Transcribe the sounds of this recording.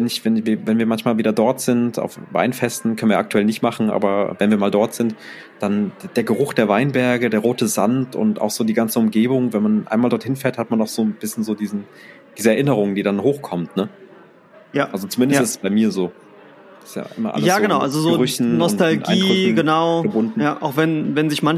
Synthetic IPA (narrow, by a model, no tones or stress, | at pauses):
vɛnɪçvɛnviːɐvɛnviːɐmançmaːlviːdɐdɔɐtz̥ɪnta̰ʊfva̰ɪnfɛstn̩kʰœnvijɐ̰ʔak̚tʰuɛlnɪçtmaχn̩ʔa̰ːbɐ̰vɛnviːɐmaːldɔɐtz̥ɪnt | d̥andd̥eːɐɡəʁʊxd̥eːɐvaɪnbɛɐɡədeːɐʁoːtəzantʊ̰ntʔa̰ʊxz̥oːdiːɡant͡səʊmɡeːbʊŋvɛnmanʔa̰ɪnmaːldɔɐthɪnfeːɐthatmanaʊxz̥oːnb̥ɪsçən̩zoːdiːzn̩ | d̥iːzəɛɐʔɪnəʁ̞ʊŋd̥iːdanɦoːxkʰɔmtnə | jaʔalzot͡sumɪndəstɪstsb̥aɪmiːɐzo̥ː | ɪ̥stja̰ːʔɪ̰mɐʔa̰ləjaːɡənaʊʔalzozoɡːʁʏçn̩nɔstʰalɡʔaɪiɡʏɡənaʊɡəbʊndn̩jaːʔaʊxvɛnvɛnzɪçman